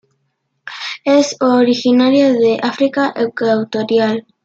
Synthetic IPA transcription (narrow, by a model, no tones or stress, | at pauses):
esoɾixinaɾjaðeʔafɾikaʔewkawt̪oɾjal